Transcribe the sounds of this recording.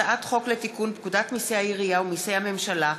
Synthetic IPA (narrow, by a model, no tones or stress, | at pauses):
aʔat̪χo̞kletikunpkudat̪misejhaiʁijaumisejhame̞mʃala